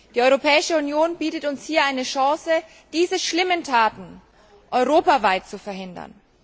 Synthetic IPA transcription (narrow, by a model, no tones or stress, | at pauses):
d̥iːɔʏʁopʰɛːɪʃəunjoːnbiːtətʊnshiːɐʔaɪnəʃãːsə | d̥iːzəʃlɪməntʰaːtn̩ | ʔɔʏʁ̞oːpavaɪt̚t͡sufɛɐɦɪndɐ̰n